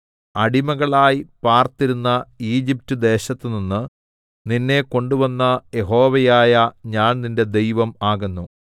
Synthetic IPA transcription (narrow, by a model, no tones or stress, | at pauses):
ɐɽimɐɣɐɭaːjpaːrt̪iɾunːɐiːd͡ʑiptːɨd̪e̞ːɕɐt̪ːɨninːɨ | ninːe̞ko̞ɳɖuʋɐnːɐje̞ɦo̞ːʋɐjaːjɐɲaːnninde̞d̪e̞jʋɐmaːɣunːu